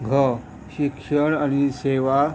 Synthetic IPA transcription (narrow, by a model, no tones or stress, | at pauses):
ɡʱə | ɕikʂəɽaɽ̃iseʋa